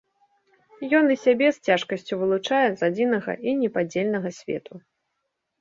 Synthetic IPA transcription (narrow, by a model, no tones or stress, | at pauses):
jɔnisʲabʲɛst͡sʲaʂkɐsʲt͡sʲuvɨlˠut͡ʂajɛzad͡zʲinɐɣɐ̰ʔinʲɛpad͡zʲelʲnɐɣɐsʲvʲɛ̰t̪ʰu